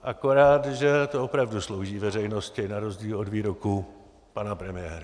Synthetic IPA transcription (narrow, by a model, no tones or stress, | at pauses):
ʔakoɾaːt̪ʒɛt̪oopɾavduslowʒiːvɛrɛjno̞scɪnaɾo̞zɟiːlodviːɾoku | panapɾɛmɪɛːɾa